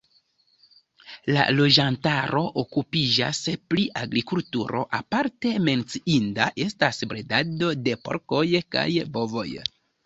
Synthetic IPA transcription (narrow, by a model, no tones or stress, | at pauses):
la̰lo̞d͡ʒantaɾo̞ʔokupid͡ʒa̰spliʔaɡɾikultṵɾo̞̰ʔapaɾte̞me̞nt͡siʔindaʔe̞stasbɾedado̞de̞po̞̰ɾko̞jka̰jbo̞vo̞̰j